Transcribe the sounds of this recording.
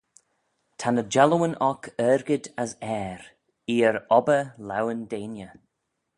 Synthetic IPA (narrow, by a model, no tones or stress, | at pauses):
tʰanəd͡ʒalˠəwənʔɔkʰɛːɾɡədasɛːɾ | iːəɾɔbəla̰wəndeːnjə